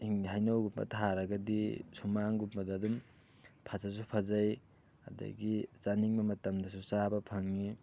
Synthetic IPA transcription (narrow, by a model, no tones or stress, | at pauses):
hiŋɦajnawɡupbɐ̰tʰaɾɐɡɐdisumaŋɡupbɐdaːdum | pʰasas̬upʰazaj | a̰dɐ̰ɡit͡ʃaniŋmɐmɐtɐmdɐsusabɐpʰaŋni